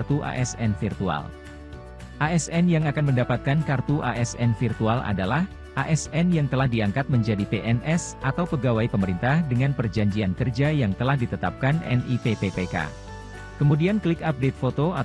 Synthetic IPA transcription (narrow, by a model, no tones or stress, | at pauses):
rt̪uʔa̰ʔɛsɛnfirt̪ua̰l | ʔaɛsɛnjaŋakanməndapat̪̚kankart̪uʔaʔɛsɛnfirt̪ualʔa̰dalah | ʔaʔɛsɛnjaŋt̪əlahdiaŋkat̪̚məɲd͡ʒadipeʔɛnʔɛsʔat̪awpəɡawaipəməɾint̪ahdəŋanpərd͡ʒaɲd͡ʒiankərd͡ʒajaŋt̪əlahdit̪ət̪ap̚kanɛ̰nipepepeka̰ | kəmudianklɪkap̚det̪̚fot̪oa